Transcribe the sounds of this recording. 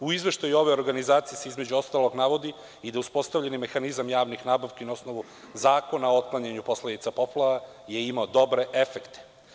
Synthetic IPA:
uizʋeʃt̪ajuo̞ʋeo̞ɾɡanizaːt̪sijeseizmed͡ʑuo̞st̪aːlo̞ɡnaʋo̞d̪i | id̪auspo̞st̪avʎenime̞xanizamjaːʋnixnaːbaʋkeinao̞sno̞ʋu | zaːko̞naot̪̚klˠaɲeɲupo̞sled̪it̪sapo̞plˠaʋa | je̞imaod̪o̞bɾe̞ʔefekt̪e̥

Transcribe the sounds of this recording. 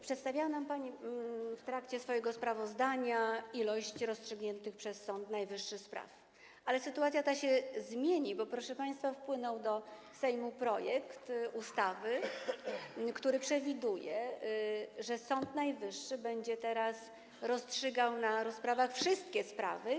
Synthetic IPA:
pʂɛt̪st̪avʲawanampaɲift̪ɾakt͡ɕɛsfɔjɛɡɔspɾavɔzd̪aɲailɔɕt͡ɕɾɔstʂɘɡɲɛnt̪ɘxpʂɛsːɔnt̪najvɘʂːɘxspɾa̰f | ʔalɛsɘt̪uat̪sʲjat̪aɕɛzmʲjeɲibɔpɾɔʂɛpaj̃st̪fafpwɘnɔwd̪ɔ | sɛjmupɾɔjɛkt̪ust̪avɘ | kt̪uɾɘpʂɛvʲid̪ujɛ | ʐɛsɔnt̪najvɘʂːɘbɛɲd͡ʑɛt̪ɛɾas | ɾɔstʂɘɡawnaɾɔspɾavaxfʂɘst̪kʲɛspɾa̰vɘ

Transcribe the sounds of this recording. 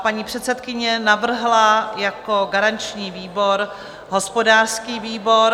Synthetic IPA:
paɲiːpr̝̥ɛt̪sɛt̪kɪɲɛnavr̩ɦlajakoɡaɾant͡ʃɲiːviːbo̞ɾ | ɦo̞spo̞daːrskiːviːbo̞ɾ

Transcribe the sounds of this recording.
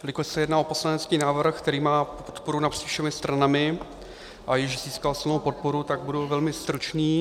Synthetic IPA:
lɪkossɛjɛdnaːʔopo̞slanɛt͡skiːnaːvr̩xkt̪ɛɾiːmaːpopo̥t̪poɾunapr̝̥iːfʃɛmɪst̪ɾanamɪ | ʔajɪʒz̥iːskalsɪlnowpo̞t̪̚poɾut̪aɡ̚budɛwvɛlmɪst̪ɾut͡ʃniː

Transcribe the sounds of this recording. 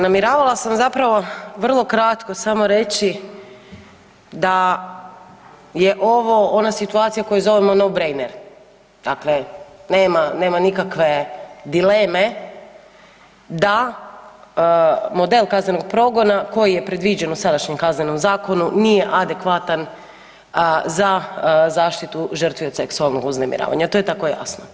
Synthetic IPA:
namiɾaːʋalˠasamzapɾaʋo̞ʋr̩lˠo̞kɾat̪ko̞samo̞ɾe̞t͡ɕi | d̪a | je̞ʔo̞ʋoʔonasit̪uat̪sijako̞juzo̞ʋemo̞nowbɾejneɾ | d̪̥akleneːmane̞ːmanikakʋe̞d̪ile̞me̞ | d̪a | mo̞d̪e̞lˠkazne̞no̞ɡ̚pɾo̞ɡo̞nako̞jijepɾe̞d̪ʋid͡ʑenusad̪aʃɲe̞mkazne̞no̞mzaːko̞nunije̞ʔad̪e̞kʋat̪an | zazaːʃt̪it̪uʒərt̪ʋiot̪seksualˠnoɡuznemḭɾa̰ːʋa̰ɲat̪o̞jet̪akoja̰sno

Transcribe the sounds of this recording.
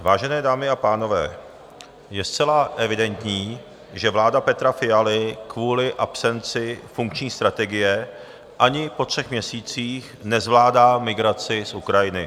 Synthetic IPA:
vaːʒɛnɛːdaːmɪapaːno̞vɛ̰ː | jɛst͡sɛlaʔɛvɪdɛnt̪ɲiː | ʒɛvlaːdapɛt̪ɾafɪjalɪkvuːlɪʔapsɛnt͡sɪfuŋkt͡ʃɲiːst̪ɾat̪ɛɡɪjɛ | ʔaɲɪpo̞t̪r̥ɛxmɲɛsiːt͡siːx | nɛzvlaːdaːmɪɡɾat͡sɪsʔukɾajɪnɪ

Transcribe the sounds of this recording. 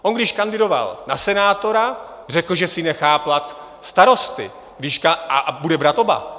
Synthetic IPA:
ʔonɡdɪʃkandɪdo̞va̰lnasɛnaːt̪o̞ɾa | r̝ɛkl̩ʒɛsɪnɛxaːplat̪ | st̪aɾo̞st̪ɪ̰ | ɡdɪʃkaabudɛbɾat̪o̞ba̰

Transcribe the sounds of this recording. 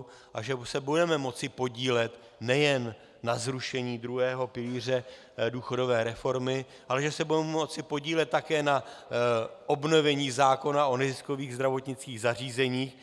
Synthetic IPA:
ʔaʒɛsɛbudɛmɛmo̞t͡sɪpo̞ɟiːlɛt̪ | nɛjɛnː | azɾuʃɛɲiːd̪ɾuɦɛːɦo̞pɪliːr̝ɛ | duːxo̞do̞vɛːɾɛfo̞ɾmɪ | ʔalɛʒɛsɛbudɛmmot͡sɪpo̞ɟiːlɛt̪̚ːakɛːna | ʔo̞bno̞vɛɲiːzaːko̞naʔo̞nɛzɪskoviːɣzd̪ɾavo̞t̪ɲɪt͡skiːɣzar̝iːzɛɲiːx

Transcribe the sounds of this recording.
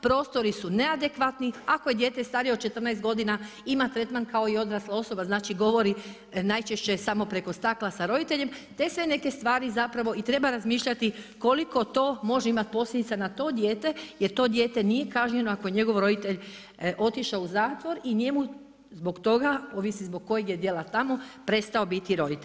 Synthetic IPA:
pɾo̞ːst̪o̞ɾisune̞ad̪e̞kʋat̪niako̞jed̪je̞ːt̪e̞st̪aːɾijod̪t͡ʃe̞t̪r̩najst̪ɡo̞d̪ina | imat̪ɾe̞t̪mankao̞io̞d̪ɾaslao̞so̞baznaːt͡ʃiɡo̞ʋo̞ɾi | najt͡ʃe̞ʃt͡ɕe̞samo̞pɾe̞ko̞st̪aklasaɾo̞d̪it̪e̞ʎe̞mt̪e̞sʋe̞ne̞ke̞st̪ʋaːɾizapɾaʋo̞ʔit̪ɾe̞baɾazmiːʃʎat̪iko̞liko̞t̪o̞ːmo̞ʒeimat̪̚po̞slʲjed̪it̪sanat̪o̞ːd̪je̞ːt̪e̞jeɾt̪o̞d̪je̞ːt̪e̞nije̞kaːʒɲe̞no̞ako̞je̞ɲe̞ɡo̞ʋɾo̞d̪it̪e̞ʎ | ʔo̞t̪iʃauzaːt̪ʋo̞ɾiɲe̞mu | zbo̞ɡt̪o̞ɡaoʋisizbo̞ɡ̚ko̞jeɡje̞d̪je̞lat̪amo̞pɾe̞st̪ao̞bit̪iɾo̞d̪it̪eʎʲ

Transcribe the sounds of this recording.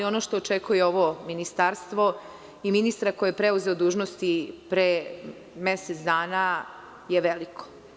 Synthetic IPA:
io̞noʃt̪oːt͡ʃekujeo̞ʋominist̪aɾst̪ʋo̞ | iminist̪ɾakojepɾeuzeod̪uːʒnost̪ipɾe | meset̪sd̪aːna | jeʋelikʰo̥

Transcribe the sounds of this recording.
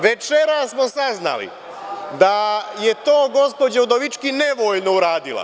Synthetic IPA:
ʋe̞t͡ʃe̞ɾasmo̞sazna̰lḭ | d̪aje̞t̪o̞ːɡo̞spo̞d͡ʑaud̪oʋit͡ʃkine̞ʋo̞ːjno̞uɾaːd̪ila̰

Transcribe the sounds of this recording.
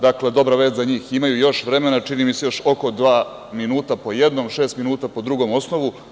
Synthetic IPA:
d̪akle̞d̪o̞bɾaʋe̞ːzzaɲiːximajujo̞ʃʋɾeme̞nat͡ʃinimise̞jo̞ʃo̞ko̞d̪ʋaː | minuːt̪apo̞jed̪nomʃe̞ːst̪minuːt̪apo̞d̪ɾuɡo̞mo̞sno̞ʋu

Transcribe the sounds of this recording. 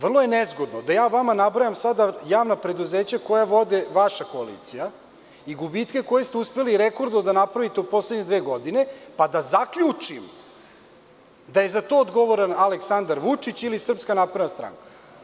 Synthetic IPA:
ʋr̩lˠojenezɡo̞d̪nod̪ajaːʋamanabɾajamsad̪ajaːʋnapɾe̞d̪uze̞ːt͡ɕako̞jaʋo̞d̪eʋaʃako̞alḭːt̪sija | iɡubit̪ke̞ko̞jest̪euspe̞liɾeko̞ɾd̪nod̪anapɾaʋit̪eod̪̚po̞slˠed̪ɲed̪ʋeːɡo̞d̪ine̞pad̪azakʎut͡ʂim | d̪aje̞zat̪o̞ːod̪ɡo̞ʋoɾanaleksand̪aɾʋut͡ʂit͡ɕilisr̩pskanaːpɾed̪nast̪ɾa̰ŋkḁ

